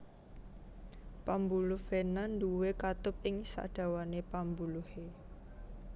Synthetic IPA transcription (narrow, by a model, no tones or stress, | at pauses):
pambulʊhfenand̪uwekat̪ʊp̚ɪŋsa̰d̪̥a̤wanepambuluhe